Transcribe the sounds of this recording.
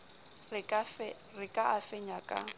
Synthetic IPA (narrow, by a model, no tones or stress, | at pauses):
r | rɪkʼaafɛɲakʼa̰